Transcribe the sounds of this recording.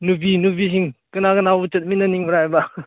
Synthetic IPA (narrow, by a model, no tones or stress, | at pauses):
nubinubis̬iŋkɯnakɐnaut͡ʃɐt̚minːɐniŋmuɾajba